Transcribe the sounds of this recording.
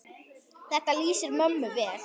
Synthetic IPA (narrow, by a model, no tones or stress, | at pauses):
ðɛt̪alyːsəɾmœmːəvɛːɾ